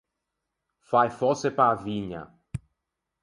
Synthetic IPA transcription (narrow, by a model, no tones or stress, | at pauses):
fajfɔsepaːviɲa̰